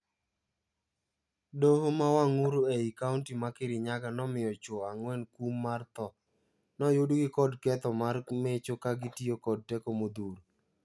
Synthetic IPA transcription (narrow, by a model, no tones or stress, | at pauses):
doɦomawaŋuɾoeikauntimakeɾiɲaɡanɔmɪjɔt͡ʃoaŋwɛnkumːart̪ɔ | nɔjʊdɡɪkɔdkɛt̪ɔmarmet͡ʃokaɡɪtiokɔd̚tɛkomod̪uɾo